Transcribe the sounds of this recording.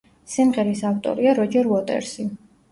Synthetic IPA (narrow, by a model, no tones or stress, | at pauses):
simʁɛɾisaft̪ʼɔ̰ɾiaɾɔd͡ʒɛɾɔt̪ʼɛ̰ɾsi